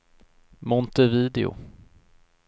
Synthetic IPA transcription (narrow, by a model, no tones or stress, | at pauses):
mɔnt̪əviːd̪ɛʊ̰